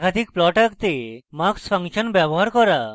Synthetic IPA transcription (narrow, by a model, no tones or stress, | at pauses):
kad̪ʱikplɔʈakt̪emaksfʰaŋʃənbjabɔɦaɾkɔɾa